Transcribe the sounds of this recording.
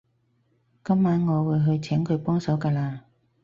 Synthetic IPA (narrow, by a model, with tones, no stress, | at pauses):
kɐ˥mːaː˨˥nŋɔː˨˧wuː˨˧jɦɵ˧ɥt͡sʰɛː˨˥ŋkʰɵ˨˧ɥpɔː˥ŋsɐ˨˥wkaː˧laː˧